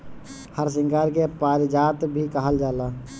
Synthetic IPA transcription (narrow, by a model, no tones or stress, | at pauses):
həɾs̬ɪ̃ŋkaːɾkepaːɾd͡ʒaːt̪bʱikəɦəld͡ʒaːlaː